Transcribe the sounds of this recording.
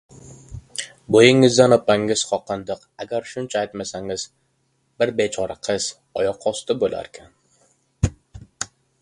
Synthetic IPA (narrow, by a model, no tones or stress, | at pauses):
bojɪŋːɪzd̪anɒpaŋɪz̥χɒqʰɨnd̪ɨqaɡʲaɾʃʊnt͡ʃʰaːjt̪masaŋɪz̥ | b̥ɪɾbet͡ʃʰɒɾaqʰɨz̥ | ɒjɒqʰːɒst̪ɪbola̰ɾkʲʰan